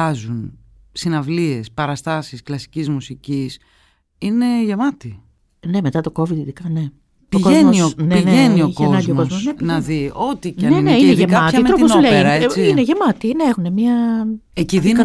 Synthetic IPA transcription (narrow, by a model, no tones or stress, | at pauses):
ɐzun | sinɐvlie̞spɐɾɐst̪ɐsisklɐsi̥cizmusicis | ine̞ʝemɐt̪i | ne̞me̞t̪ɐt̪o̞ko̞vid̪iðikɐne̞ | piokoeznmoisoneineenioiçkeonɐɲɟziokozmossnenɐðio̞t̪icɐneneineʝemɐɐt̪ɐimɾoosuleiɾɐsineʝe̞mɐt̪ineexune̞miɐeciðiɐ